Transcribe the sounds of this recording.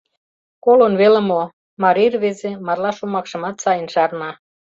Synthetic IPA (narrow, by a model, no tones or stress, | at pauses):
kolonβelə̆mo | mɑɾirβezemɑrlɑʃumɑkʃɤ̆mɑt̪sɑjənʃɑrnɑ